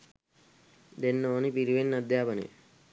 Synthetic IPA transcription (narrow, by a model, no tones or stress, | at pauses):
d̪enːoːnipiɾiʋenːɐd̪ʱjaːpɐnḛ